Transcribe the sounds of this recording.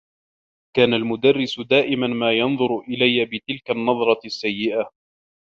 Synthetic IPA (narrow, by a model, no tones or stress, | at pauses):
kaːnalmʊd̪arːɪsʊd̪aːʔɪmanmaːjɑnðˤʊɾʔɪlajːabɪt̪ɪlkanːɑðˤɾˤɑsːajːɪʔa